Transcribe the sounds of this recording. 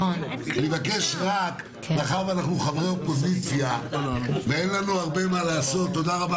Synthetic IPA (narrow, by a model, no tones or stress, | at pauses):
levake̞ʃʁak | baχaʁvanaχnuχavʁeopo̞zit͡sja | veenlanuaʁbe̞malaːso̞t̪ːo̞d̪aʁaba